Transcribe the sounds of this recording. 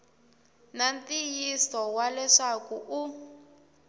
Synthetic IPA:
nantijisɔwalɛʂakuʔu

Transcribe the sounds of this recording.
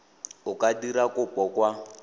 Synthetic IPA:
ʊkʼadiɾakʊpʼɔkwa

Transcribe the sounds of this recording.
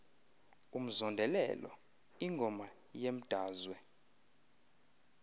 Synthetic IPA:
um̩zɔndʱɛlɛ̰lɔ̰ | iŋɡʱɔma | jem̩d̥ʱaːzwɛ

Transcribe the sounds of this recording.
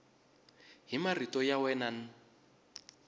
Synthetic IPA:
ɦimaritɔjawɛnan̩

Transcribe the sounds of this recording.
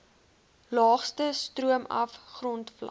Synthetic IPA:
lɑːχstəstruəmɐ̰fχrɔntflɐ̰

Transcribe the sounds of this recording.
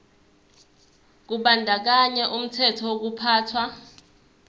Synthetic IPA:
k̬uɓandʱak̬aɲɛʔum̩tʰɛtʰɔwok̬upʰaːtʰwa

